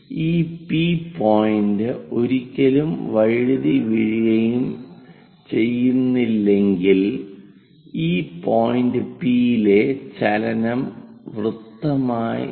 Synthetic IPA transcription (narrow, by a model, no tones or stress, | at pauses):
iːpiːpoːjindɨo̞ɾikʲːɐlumʋɐɻɻðiʋiɻijɐjum | t͡ɕe̞jːunːilːe̞ŋɡil | iːpoːjindɨpijile̞t͡ɕɐlɐnɐmʋrut̪ːɐmaːj̰